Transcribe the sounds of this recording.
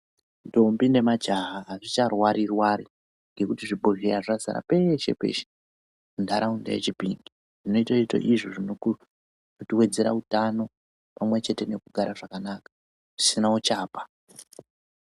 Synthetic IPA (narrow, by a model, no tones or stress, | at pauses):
ndombine̞mad͡ʒaɦaːʐit͡ʃarwaɾirwaɾi | ŋɡe̞kutiʐibʱoɦiaʐaza̰ɾa̰pe̞ʃe̞̰pḛʃe̥ | mundaɾaunda̰jḛt͡ʃipiŋɡi | ʐ̥ino̞itaita̰ʔiʐoʐino | notiwe̞d͡ze̞ɾautano̞ | pamwe̞t͡ʃe̞te̞nekuɡʱaɾaʐakanakḁ | ʐ̥isinawot͡ʃaːpḁ